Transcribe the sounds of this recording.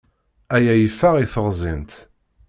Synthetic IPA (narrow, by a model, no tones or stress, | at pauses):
æjæjifːəʁifəʁzˤint̪